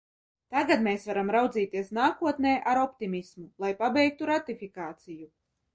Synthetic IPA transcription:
t̪aɡad̪meːsvaɾamɾawd̪ziːt̪iɛsnaːkuɔt̪nɛːʔaɾɔpt̪imʲismulˠajpabɛjk̚t̪uɾat̪ifikaːt̪siju

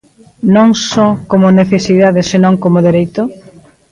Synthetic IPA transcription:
nõŋsɔkomʊneθesiðaðɪsenõŋkomoðeɾejt̪ʊ

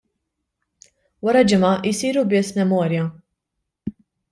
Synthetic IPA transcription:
wɐɾɐd͡ʒɪmɐʔɪsiːɾubɪsmɛmɔːɾjɐ

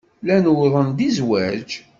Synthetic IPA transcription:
lænwðˤənd̪izwæd͡ʒ

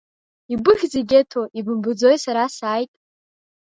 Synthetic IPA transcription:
ibɨχʲziɡʲetʰoʔibɨmbɨd͡zo̞jsaɾasaːjtʼ

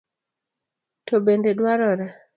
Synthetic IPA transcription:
tobendedwaɾɔɾa

